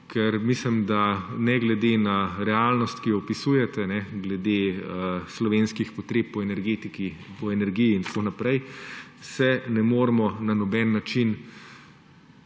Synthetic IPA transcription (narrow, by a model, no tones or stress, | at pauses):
kʰɛɾmislimd̪anɛɡlɛd̪enaɾɛalnɔst̪kijɔɔpisujɛt̪ɛnɛɡlɛd̪eəslɔʋenskixpɔt̪ɾeːp̚ːpɔɛnɛɾɡet̪ikipɔɛnɛɾɡijiːnt̪konapɾɛjsɛnɛmoːɾmɔnanɔbɛnːat͡ʃin